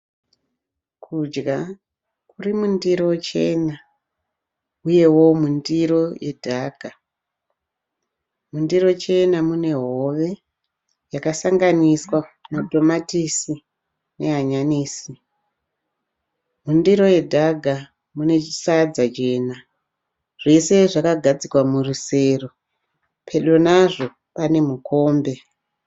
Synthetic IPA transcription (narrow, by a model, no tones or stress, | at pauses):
kʰud͡ʒɡa | kurimundiɾo̞t͡ʃe̞na | uje̞wo̞mundiɾo̞je̞dʱaɡʱa | mundiro̞t͡ʃe̞namune̞ɦo̞ʋe̞ | jakasaŋɡaniswamadʱo̞matisi | ne̞ɦaɲaniːsi | mundiɾo̞je̞dʱaɡʱa | mune̞isad͡zat͡ʃe̞ːna | ʐ̥e̞se̞ʐakaɡʱad͡zikwamuruse̞ro | pʰe̞ɗo̞naʐo̞ | pane̞muko̞ːmbe̞